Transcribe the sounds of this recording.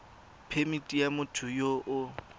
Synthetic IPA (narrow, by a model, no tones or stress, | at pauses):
pʰemitʼijamʊtʰʊjoʔʊ